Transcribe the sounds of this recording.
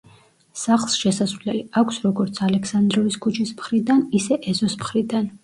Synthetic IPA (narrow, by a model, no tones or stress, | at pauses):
saχlˠsʃɛsasvlɛliakʷʰsɾɔɡɔɾt̪sʰalɛksand̪ɾɔviskʰut͡ʃʰismχɾid̪anisɛʔɛzɔsmχɾid̪an